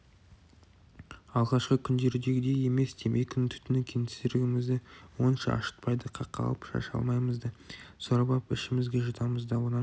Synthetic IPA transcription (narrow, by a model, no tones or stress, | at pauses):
ɑlˠʁɑʃqəkʲʰʏnd̪e̞ɾɪd̪e̞ɡʲɪd̪e̞je̞me̞sd̪emejkʲʰʏnt̪ʰʏ̥t̪ɪnɪkʲʰent̪ɪ̥sɾɪɡʲɪmɪzd̪ɪwo̞nʃɑɑ̰ʃə̥t̪̚pɑjd̪əqʰɑqːɑ̰lˠəpʃɑ̰ʃɑ̰lˠmɑjməzd̪əsoɾɑbɑpɪ̰ʃɪmɪzɡʲeʒət̪ʰɑməzd̪ɑwonɑ